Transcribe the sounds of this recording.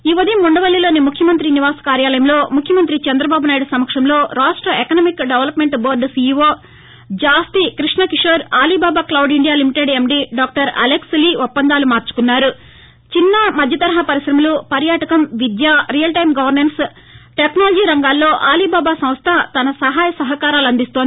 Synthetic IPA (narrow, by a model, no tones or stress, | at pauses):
iːʋɐd̪imuɳɖɐʋɐlːjɐloːnimukʰjɐmɐnt̪ɾiniʋaːsɐ̥kaːɾjaːlɐjɐmlo̞ːmukʰjɐmɐnt̪ɾit͡ʃɐnd̪ɾɐbaːbunaːjɽusɐmɐkʂɐmlo̞ːɾaːsʈɾɐekɐnɐmikɖeʋɐlɐpme̞ɳʈboːɾɖsiːoː | d͡ʒaːst̪ikɾiʂnɐkiʂɐɾaːliːbaːbaːklɐwɖiɳɖijaːlimiʈeɖemɖiɖaːk̚ʈɐɾɐ̰leksliːupːɐnd̪aːlumaːɾt͡ʃu̥kunːaːɾu | t͡ʃinːɐmɐd̪ʱjɐt̪ɐɾɐɦɐpɐɾisɾɐmɐlupɐɾjaːʈɐkɐmʋid̪jaːɾijɐlʈɐjimɡɐʋɐɾnenʈs | ʈeknaːlɐd͡ʒiːɾɐŋɡaːlːo̞ːʔaːliːbaːbaːsɐ̃m̃st̪ʰɐt̪ɐnɐsɐɦaːjɐsɐɦɐkaːɾaːluɐnd̪ist̪oːnd̪i